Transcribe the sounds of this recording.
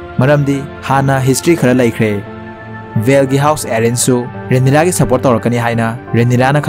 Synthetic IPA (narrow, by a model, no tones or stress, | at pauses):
mɐɾɐmdihanɐɦistɾikʰɐɾɐlɐjkʰɾe | bʱelɡiɦawseɾensu | ɾenːiɾaɡisɐpoɾt̚ːɐwɾɐkːɐniɦajnɐɾenːiɾanɐkʰ